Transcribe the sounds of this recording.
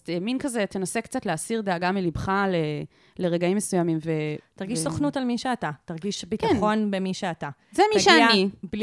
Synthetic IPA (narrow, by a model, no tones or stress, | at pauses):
t̪eminkazet̪enasekt͡sat̪leasiʁd̪eaɡamelibχale | le̞ʁeɡaimːesujamimvet̪aʁɡiʃssoχnutalmiʃeatataʁɡiʃbitkaeno̞nbemiʃeata | zemiʃeanib